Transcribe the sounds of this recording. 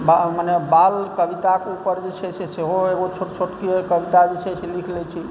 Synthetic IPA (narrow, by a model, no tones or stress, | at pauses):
bamənebalkəʋit̪akeupəɾd͡ʒet͡ʃʰɛseseɦoeɡot͡ʃʰoʈt͡ʃʰoʈkekəʋit̪ad͡ʒet͡ʃʰɛselikʰlɛt͡ʃʰi